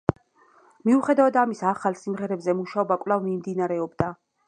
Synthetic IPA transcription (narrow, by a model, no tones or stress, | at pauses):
miuχɛd̪avad̪amisaχalˠsimʁɛɾɛbzɛmuʃaɔbakʼvlavmimd̪inaɾɛɔbd̪a